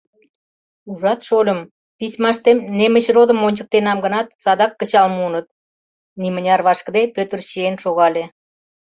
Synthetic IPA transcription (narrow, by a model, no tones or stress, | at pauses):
uʒɑt̪ʃolʲə̆m | pisʲmɑʃt̪emnemə̆t͡ɕrod̪ə̆mːonʲt͡ɕə̆k̚t̪enɑmɡə̆nɑt̪sɑd̪ɑkːə̆t͡ɕɑlmunət̪̚ | nimə̆nʲɑrβɑʃkəd̪epøt̪ərɕienʃoɣɑlʲe